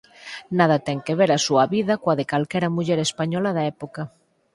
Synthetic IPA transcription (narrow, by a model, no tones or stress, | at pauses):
naðɐt̪ɛŋkeβeɾasuɐβiðɐkoaðekalkɛɾɐmuʎɛɾespaɲɔlɐðaɛpoka